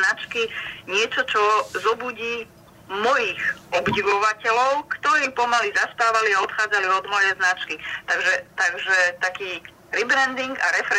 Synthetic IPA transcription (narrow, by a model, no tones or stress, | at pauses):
nat͡ʃkiɲɪɛt͡ʃɔt͡ʃɔzɔbuɟiː | mɔjixɔbɟiʋɔʋacɛlɔʊkt̪ɔɾiːpɔmalizaspaːʋaliaɔt̪xaːd͡zaliɔd̪mɔjɛznat͡ʃkit̪aɡʒɛt̪aɡʒɛt̪akiː | ɾibɾɛnd̪iŋɡaɾɛfɾɛ